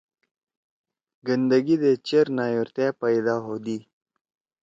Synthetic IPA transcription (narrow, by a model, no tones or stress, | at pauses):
ɡənd̪əɡid̪et͡ɕeɾnaːjuɾt̪eːpɐjd̪aːɦod̪iː